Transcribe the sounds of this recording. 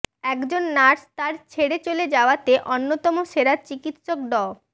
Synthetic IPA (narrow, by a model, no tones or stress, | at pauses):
ɛkd͡ʑonːaɾst̪aɾt͡ɕʰeɽet͡ɕoled͡ʑaoat̪eʔonːot̪ɔmoʃeɾat͡ɕikit̪ʃok̚ɖɔ